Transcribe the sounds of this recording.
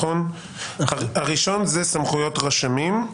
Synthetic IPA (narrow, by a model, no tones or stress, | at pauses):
on | aʁiʃo̞nzesamχujo̞tʁaʃamim